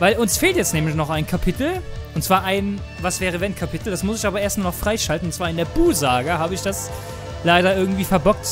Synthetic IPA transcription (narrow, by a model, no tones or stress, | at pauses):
vaɪlʊnsfeːltjɛt͡stnɛːmlɪç̬nɔχaɪnkʰapʰɪtl̩ʔʊntt͡sv̥aːɐʔaɪn | vasv̥ɛːʁ̞əvɛnkʰapɪtl̩d̥asmʊsɪçʔaːbɐʔeːɐstmaɐnɔχfʁ̥aɪʃaltn̩ʊntt͡sv̥aːɐɪndeːɐbuːzaːɡɐhaːbəɪçd̥as | laɪɾɐɪɐɡŋ̩tv̥iːfɛɐbɔk̚t